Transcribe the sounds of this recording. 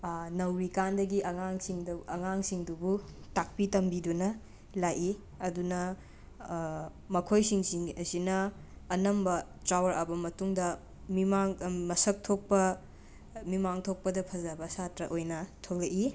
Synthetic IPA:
nɐwɾikandɐɡiʔɐŋaŋsiŋdɐɐŋaŋsiŋdubutak̚pitɐmbidunɐ | lajʔi | ɐdunɐ | mɐkʰojsiŋsiŋɐsinɐː | nɐmbɐ | tɾawɐɾʔɐbɐmɐtuŋdɐ | mimaŋmɐsɐk̚tʰok̚pɐ | mimaŋtʰok̚pɐdɐpʰɐzɐbɐsatɾɐʔojnɐtʰolɐʔi

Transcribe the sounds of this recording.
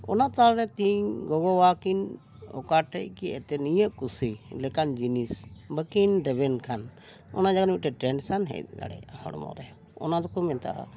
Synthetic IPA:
ɔ̰nat̪alɾɛt̪iɲɡɔɡɔwakin | ɔ̰kaʈɛʔkiʔɛt̪ɛnijəʔkusilɛkand͡ʒinisbəkinɖɛbɛnkʰan | ɔ̰nad͡ʒaɡnmiʈɛʈɾɛnsanɦɛ̰t̪d̪a̰ɽɛ̰ahɔ̰ɽɔmɔ̰ɾɛ | ɔ̰nad̪ɔkɔmɛnt̪ʰaʔa̰

